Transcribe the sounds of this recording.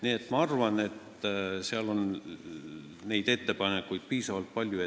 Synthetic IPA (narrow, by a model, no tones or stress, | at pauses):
niet̪ːˑmɑɑrvɑne̞t̪ | seɑlo̞n | ne̞jd̪̥e̞t̪ːe̞pɑne̞kːujd̪̥̚piːsɑvɑlt̪̚pɑlʲjue